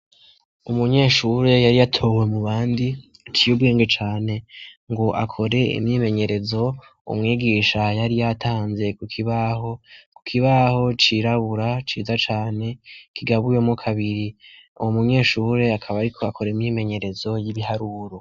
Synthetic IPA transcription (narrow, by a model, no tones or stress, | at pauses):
umuɲe̞ːʃuːɾe̞jaɾijatʰo̞we̞muβaːndi | t͡ʃijubɡeːŋɡet͡ʃaːne̞ŋɡo̞ʔa̰kʰo̞ɾe̞ḭmɲime̞ɲe̞ɾe̞zo̞ | ṵmŋiːɡiːʃajaɾijatʰaːnze̞kukʰiβaho̞ku̥kʰiβaho̞t͡ʃiɾaβuɾat͡ʃiːzat͡ʃaːne̞kʰiɡaβujo̞mukʰaβiɾiumuɲe̞ːʃuːɾe̞akʰaβaɾikʰo̞akʰo̞ɾeimɲime̞ɲe̞ɾe̞zo̞jiβihaɾuːɾo̞